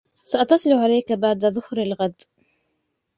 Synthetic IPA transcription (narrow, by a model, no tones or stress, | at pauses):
saʔɑt̪ːɑsˤɨlʕalajkabaʕd̪aðʊhɾalɣad̪